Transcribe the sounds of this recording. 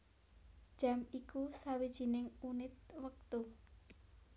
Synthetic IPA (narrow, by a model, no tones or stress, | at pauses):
d̥ʒ̥a̤mikusawid̥ʒ̥i̤nɪŋunɪt̪̚wək̚t̪u